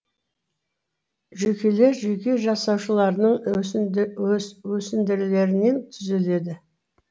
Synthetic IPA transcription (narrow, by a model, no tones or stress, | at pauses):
ʒekʲe̞le̞ɾʒekʲe̞ʒɑsɑwʃəlˠɑɾnəɴ | wɵsɪnd̪ɪɾle̞ɾɪne̞nt̪ʰʏzele̞d̪ɪ